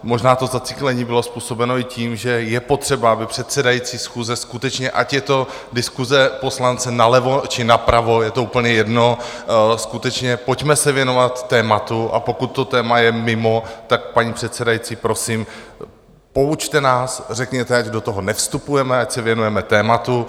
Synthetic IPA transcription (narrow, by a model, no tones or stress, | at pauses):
mo̞ʒnaːt̪o̞zat͡sɪ̥klɛɲiːbɪlo̞spuːso̞bɛno̞ɪciːmʒɛjɛpo̞t̪r̝̥ɛbaabɪpr̥ɛt̪sɛdajit͡siːsxuːzɛskut̪ɛt͡ʃɲɛʔacjɛt̪o̞ | dɪskuzɛpo̞slant͡sɛnalɛvo̞t͡ʃɪnapɾavo̞jɛt̪o̞uːpl̩ɲɛjɛdno̞skut̪ɛt͡ʃɲɛpo̞cmɛsɛvjɛno̞vat̪ːɛːmat̪uʔa̰po̞kut̪ːo̞t̪ɛːmajɛmɪmo̞t̪ak̚paɲiːpr̝̥ɛt̪sɛdajit͡siːpɾo̞sim | po̞ut͡ʃt̪ɛnaːsrɛkɲɛt̪ɛacdo̞t̪o̞ɦo̞nɛfst̪upujɛmɛacsɛvjɛnujɛmɛt̪ɛːmat̪u